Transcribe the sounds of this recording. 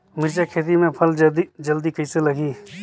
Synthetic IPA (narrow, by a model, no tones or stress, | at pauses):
mɪɾd͡ʒakʰeːt̪̬imẽpʰəld̪d͡ʒəld̪ikəiselɐɡiː